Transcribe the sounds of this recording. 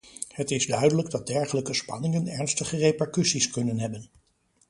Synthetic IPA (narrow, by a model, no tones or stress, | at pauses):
hətɪzdœɥdələɡdɑd̚dɛɹχələkəspɑ̰nɪŋənɛɹnstəχərejpɛɹkysiskɵnənɦɛbən